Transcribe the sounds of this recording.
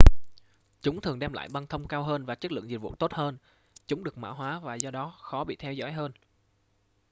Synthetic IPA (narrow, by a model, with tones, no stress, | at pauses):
t͡ɕʊ˨˦ŋ͡mt̪ʰɨ˨˩əŋɗɛ˧mla̰ː˧˨jɓa˧nt̪ʰə˧wŋ͡mkaː˧wɦəː˧nvaː˨˩t͡ɕə˦˥lɨ̰˧˨ŋzi˨˩vṵ˧˨t̪o˦˥t̚həː˧n | t͡ɕʊ˨˦ŋ͡mɗɨ˨˩ək̚ma̰ː˧˩wɦwaː˨˦vaː˨˩zɔ˧ɗɔ˨˦xɔ˨˦ɓḭ˧˨t̪ʰɛ˧wzɔ̰˧˥jɦəː˧n